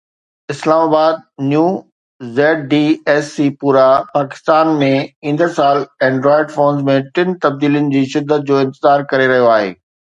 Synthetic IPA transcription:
ɪslaːmaːbaːd̪̚njuː | zɛːʈ̚ɖiːɛːsːiːpuːɾapaːkɪ̥st̪aːnmẽĩn̆d̪əɾsaːlɛ̃ːɳɖɾɔːɪɖfoːnzmẽʈɪnɪ̆t̪ɐb̚d̪iːlijʊnɪ̆d͡ʑiːʃɪd̪ʱːət̪̚d͡ʑoːɪ̃nt̪ɪzaːɾkɐɾeɾɐɦijoaːɦḛː

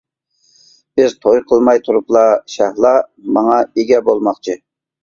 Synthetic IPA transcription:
b̥ɪzt̪ʰojqʰəlˠmɑjt̪ʰuɾuplˠɑʃɑhlˠɑmɑŋɑeɡʲɛbolˠmɑχt͡ʃʰɨ

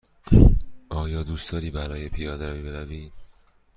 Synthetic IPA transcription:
ʔɒːjɒːd̪uːst̪ɒːɾiːbæɾɒːjepʰijɒːd̪eɾæviːbeɾæviː

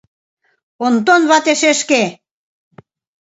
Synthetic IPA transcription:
ont̪onβɑt̪eʃeʃke

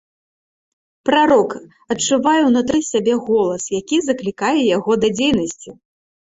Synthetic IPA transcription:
pɾaɾɔk | ɐt͡ʂːuvajɛwnut̪ɾɨsʲabʲɛɣɔlˠɐsjakʲizɐklʲikajɛjaɣɔd̪ɐd͡zʲejnɐsʲt͡sʲi

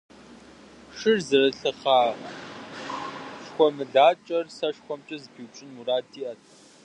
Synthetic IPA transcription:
ʂɨrzɨrɨɬɨχaː | ʂxʷɔmɨɮaːt͡ʃʼɐrsɐʂxʷɔmt͡ʃʼɐzbiːwt͡ʃʼɪnuraːdʰʼiːʔɐtʰ

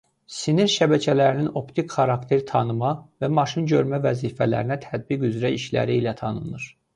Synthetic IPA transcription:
siniɾʃæbæcʰælæɾinino̞pt̪ʰikχɑɾɑkt̪ʰeɾt̪ʰɑnɯmɑvæmɑʃinɟø̞ɾmævæziːfælæ̰ɾinæt̪ʰæd̪̚biɡyzɾæiʃlæ̰ɾiːlæt̪ʰɑnɯnɯɾ̥

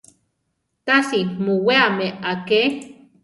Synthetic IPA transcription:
t̪asimuweameake

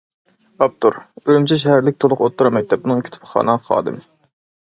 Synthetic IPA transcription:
ɑp̚t̪ʰuɾøɾymt͡ʃʰɛʃ̬ɛhæɾlɪk̚ʲt̪ʰolˠʊqot̪ʰːuɾɑmɛk̚ʲt̪ʰːɛp̚bunɨŋikʲʰit̪ʰʊ̥pʰχɑ̰ːnɑχɑ̰ːd̪ɨ̰m

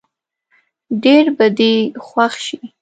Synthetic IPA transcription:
ɖeɾbad̪exwaxʃi

